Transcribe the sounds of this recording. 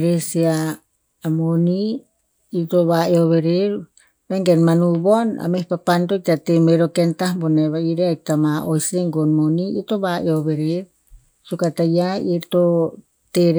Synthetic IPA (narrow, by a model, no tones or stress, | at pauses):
ɾesiaː | moniː | ɾt̪oβaeoβeɾeɾ | βeŋɡenmanubona̰mepapandot̪at̪emeɾokent̪ahboneβaiɾeait̪amaʔojseŋɡonmoniit̪oβaʔeoβeɾeɾ | sukat̪ajaiɾt̪o | t̪eɾ